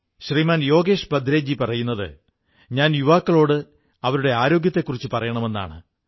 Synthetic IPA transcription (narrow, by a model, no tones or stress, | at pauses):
ɕriːmaːnjo̞ːɡe̞ːʂbɐd̪ɾeːd͡ʑipɐrɐjunːɐðɨ̰ | ɲaːnjuʋaːkːɐɭo̞ːɽɨ | ɐʋɐɾuɽe̞aːɾo̞ːɡjɐt̪ːe̞kːurit͡ɕːɨpɐrɐjɐɳɐme̞nːa̰ːɳɨ